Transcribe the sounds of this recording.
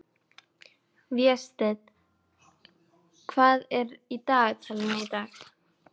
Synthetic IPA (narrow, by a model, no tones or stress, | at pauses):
vjɛst̪ɛt̪ | kʰvaːðɛɾit̪aːɣt̪ʰɪlmɪt̪aɣ